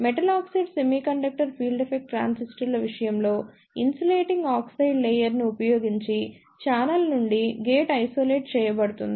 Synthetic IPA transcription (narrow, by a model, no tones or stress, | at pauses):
meʈɐlaːksijɖse̞miːkɐɳɖɐk̚ʈɐɾpʰiːlɖepʰek̚ʈʈːɾa̰ːnsisʈɐɾlɐʋiʂɐjɐmlo̞ː | insɐleːʈiŋɡaːksɐjɖlejɐɾniupɐjo̞ːɡiɲt͡ʃi | t͡ʃaːnɐlnuɳɖiɡeːʈɐjso̞ːle̞ːʈ̚t͡ʃɛːjɐbɐɽut̪und̪i